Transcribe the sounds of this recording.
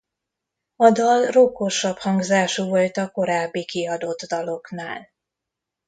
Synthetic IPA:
ɒd̪ɒlrokoʃɒphɒŋɡzaːʃuvo̞lt̪ɒko̞ɾaːbːikiɒd̪o̞d̪ːɒlo̞knaːl

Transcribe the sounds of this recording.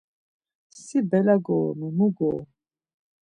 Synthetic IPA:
sibɛlaɡomumuɡo

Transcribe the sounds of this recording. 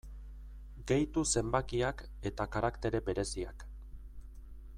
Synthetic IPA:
ɡe̞jt̪use̞mbakiak | e̞t̪akaɾakt̪e̞ɾe̞be̞ɾe̞sia̰k

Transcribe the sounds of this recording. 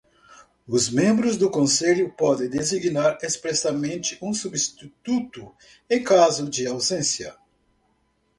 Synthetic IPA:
ʊzmẽmbɾʊzd̪ʊkõseʎʊpɔd̪ẽj̃d̪eziɡnaɾespɾɛsɐmẽnt͡ʃɪʔũsubist̪it̪ut̪ʊ | ẽj̃kazʊd͡ʒɪawzẽsjɐ̰

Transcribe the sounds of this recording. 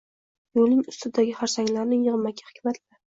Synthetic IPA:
jolnɪŋʊst̪ʰɪd̪aɡʲɪχaɾsaŋʲlaɾnɪŋjɨʁmakʲʰḁhɪ̥kʲmat̪la

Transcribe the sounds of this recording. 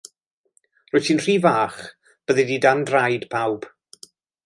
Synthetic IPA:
rɔːjsʰiːnr̥iːvaːχ | b̥əðɨdidandrajd̥pʰawb̥

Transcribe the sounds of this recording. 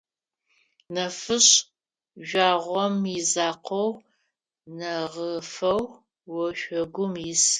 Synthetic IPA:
nɐfɨɕ | ʒʷaːʁʷɔmizaːqʰɔw | nɐʁəfɐw | wɔʃʷɔɡʷʊmjɪs

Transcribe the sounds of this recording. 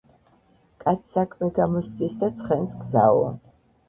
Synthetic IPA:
kʼat̪sʰsakʼmɛɡamɔst̪ʼisd̪at̪sʰʼχɛnsɡza̰ɔ̰

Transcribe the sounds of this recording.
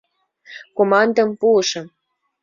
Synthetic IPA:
komɑnd̪ɤ̆mpuʃɤ̆m

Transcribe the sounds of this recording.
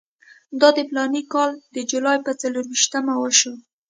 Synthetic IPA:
d̪ɑd̪əplɑnikɑld̪əd͡ʒulɑjpət͡saluɾwiʃt̪amawəʃo

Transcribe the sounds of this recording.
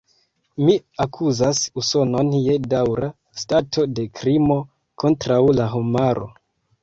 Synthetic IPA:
miakʰuzasuso̞no̞nje̞dawɾa | statʰo̞de̞kɾimo̞ | ko̞ntɾawlaɦomaɾo̞̰

